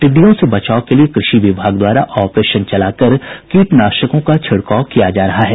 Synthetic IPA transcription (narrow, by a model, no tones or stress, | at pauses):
ʈ̪ɪɖ̪ːijõsebɐt͡ʃaːokeliekɾɪʃiʋɪbʱaːɡd̪waːɾa̰ʔɔːpɾeːʃənt͡ʃɐlaːkɐɾkeːʈnaːʃəkõkat͡ʃʰɐɽkaːkijad͡ʒaːɾɐɦaɦɛː